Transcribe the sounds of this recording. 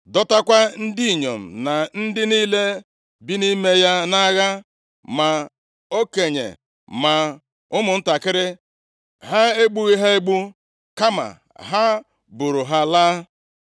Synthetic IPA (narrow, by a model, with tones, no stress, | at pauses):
dɔ˦ta˦kʷa˦n̩˦di˦i˨ɲo˨m̩˨na˨n̩˦dɪ˦niː˦le˦ | bi˦ni˦me˦ja˦na˦ɣa˦ | ma˨ | o˦ke˨ɲḛ˨ | ma˨ | ʊ˦mʊ˨n̩˦ta˨kɪ˦ɾɪ˦ | ɦa˦e˦ɡ͡bu˦i˦ɦe˦e˦ɡ͡bu˦ | ka˦ma̰˨ | ɦa˦ | bu˨ɾʊ˨ɦa˦laː˦